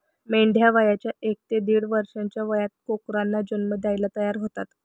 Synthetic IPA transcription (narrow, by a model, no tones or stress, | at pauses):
meɳɖʱjaʋajat͡ɕjaʔek̚t̪ed̪iːɽʋəɾʂãɲt͡ɕjaʋəjat̪̚kokɾanːad͡ʑənməd̪jajlat̪əjaɾɦot̪at̪